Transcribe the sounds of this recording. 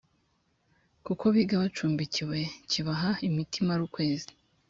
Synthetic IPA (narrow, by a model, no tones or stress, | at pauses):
kuko̞βiːɡaβat͡ʃuːmbiciwe̞ciβaɦaimitʰimaɾuːkwe̞ːzi̥